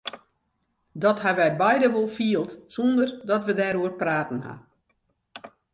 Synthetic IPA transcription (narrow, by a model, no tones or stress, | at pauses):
dɔtɦaʋɛjbɛjdəʋɔlˠfiəlˠtsɔndərdɔtʋədɛːɾuərpraːtn̩ha̰